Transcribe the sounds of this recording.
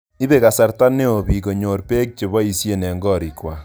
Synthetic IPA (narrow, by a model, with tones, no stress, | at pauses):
i˦be˨ka˨sa˨rta˦ne˦o˨bi˨ko˨ɲo˨ɾpe˦k̚t͡ʃe˨βɔ˦i˨sje˦nɛ˨ŋɡɔ˦˨ɾi˨kwa˨